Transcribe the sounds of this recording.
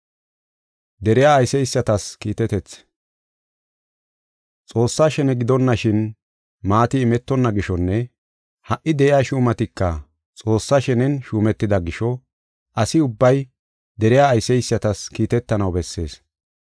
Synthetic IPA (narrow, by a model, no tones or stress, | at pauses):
d̪ɛɾɪjaːjsɛjsːɐt̪ɐskiːt̪ɛt̪ɛt͡s | t͡sʼo̞ːsːaːʃɛnɛɡɪd̪ɔnːɐʃɪn | maːt̪ɪːmɛt̪ːɔnːɐɡɪʃɔnːɛ | hɐʔːɪd̪ɛʔɪjaːʃuːmɐt̪ɪkːɐ | t͡sʼo̞ːsːaʃɛnɛnʃuːmɛt̪ːɪd̪ɐɡɪʃɔ | ʔɐsɪʊbːɐj | d̪ɛɾɪjaːjsɛjsːɐt̪ɐskiːt̪ɛt̪ːɐnɐwbɛsːe̞̰ːs